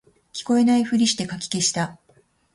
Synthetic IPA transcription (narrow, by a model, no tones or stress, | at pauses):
kʲi̥ko̞e̞naiɸɯ̟ɾʲiɕi̥t̪e̞kakʲi̥ke̞ɕi̥t̪a